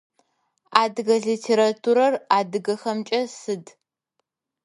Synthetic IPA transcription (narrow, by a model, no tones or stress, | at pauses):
aːdɨɣɐɮitʰeːɾatʰuɾɐraːdɨɣɐxɐmt͡ʃʼɐsɨd